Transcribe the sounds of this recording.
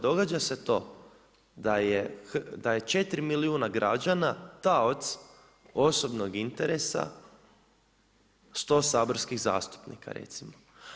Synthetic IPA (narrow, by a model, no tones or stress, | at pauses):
d̪o̞ɡad͡ʒase̞t̪o̞ː | d̪ajexd̪aje̞t͡ʃe̞t̪ɾimiliuːnaɡɾad͡ʒanat̪aot̪s | o̞so̞bno̞ɡint̪eɾesa̰ | st̪o̞ːsaːbo̞ɾskiɣza̰ːst̪u̥pnḭka̰ɾḛt̪simo